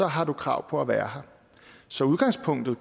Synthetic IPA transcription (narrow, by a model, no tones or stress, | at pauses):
ɒ̽ɦɑ̈d̥ukʰʁɑ̈ʊ̰pʰɒ̽æʋæːɐɦɑ̈ | sɒ̽uðˠɡ̥ɑ̈ŋspʰɔ̽ŋ̰d̥ð̩ˠ